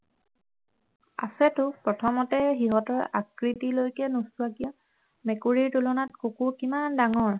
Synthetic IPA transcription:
a̰sɛtʊpɹɔtʰɔmɔtɛxiɦɔtɔɹakɹitilojkɛnustuakija | mɛkuɹiɹtulɔnat̚kokukimandaŋɔɹ

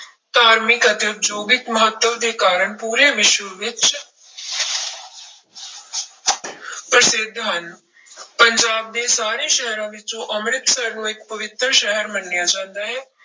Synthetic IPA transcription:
t̪aːɾmɪkət̪eʊp̪d͡ʒoːɡɪk̪məɦət̪ːəʋd̪eːkaːɾəɳpuːɾeːʋɪʃʋəʋɪt͡ʃ | pɾəsɪd̪ʱːɦɐn | pəɲd͡ʒaːb̚d̪eːsaːɾeːʃɛɦɾõːʋɪt͡ʃõʔəmɾɪt̪səɾnũːɪk̚pəʋɪt̪ɾəʃəɦəɾmənːjad͡ʒãːnd̪aːɦɛː

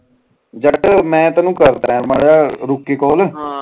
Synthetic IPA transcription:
d͡ʒəʈmɛ̃ːt̪aːnũːkəɾd̪a̰ːɦɛ̃ɾmaːɽjaːɾʊkːeːkɔːl

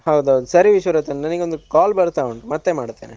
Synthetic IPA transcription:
hɐwd̪ad̪usɐɾiʋiʃʋɐɾɐt̪ːɐnnɐniɡeond̪ukaːlbɐɾt̪aːoɳʈumɐt̪ːemaːɽt̪ːeːne

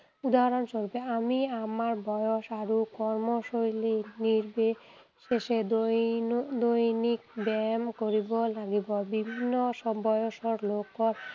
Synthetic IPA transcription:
ud̪aɦaɾonʃoɾbeamiamaɾbɔjoʃaɾukɔɾmoʃojliniɾbe | ʃeʃe | d̪ojnik̚bɛmkoɾibolaɡibobibʱinːoʃbɔjoʃoɾlokːoɾ

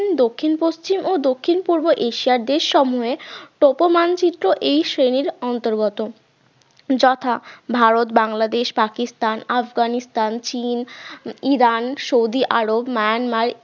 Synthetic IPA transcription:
nd̪okʰːinpost͡ɕimod̪okʰːinpuɾboʔeʃiaɾd̪eʃʃɔmuɦeʈopomant͡ɕit̪ːɾoʔejsɾeniɾɔnt̪oɾɡot̪o | d͡ʑɔt̪ʰabʱaɾot̪baŋlad̪eʃpakist̪anafɡanist̪ant͡ɕiniɾanʃowd̪iʔaɾobmaanmaɾ

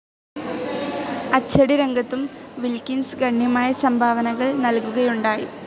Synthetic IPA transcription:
ɐt͡ɕːɐɽiɾeŋɡɐt̪ːumʋilkinsɡɐɳːjɐmaːjɐsɐmbʱaːʋɐnɐɣɐɭnɐlkuɣɐjuɳɖaːji

